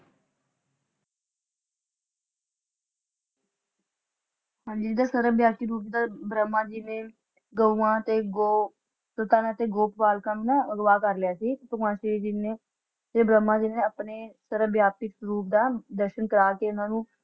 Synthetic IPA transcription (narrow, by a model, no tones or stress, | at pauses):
hãːɲd͡ʒiːd͡ʒd̪aːsəɾəbjaːkiːɾuːp̬d̪aːbɾəmːãːd͡ʒiːnẽː | ɡəuãːt̪eːɡo | sət̪aːnãːt̪eːɡoːppaːlkãːnũːnãəɡʋaːkəɾlɪjaːsiːkpəmãːʃid͡ʒɪneː | t̪eːbɾəmːãːd͡ʒiːnnẽːəpneːsəɾəbjaːpɪkɾuːp̚d̪aːd̪əɾʃənkəɾaːkeːʊnãːnũː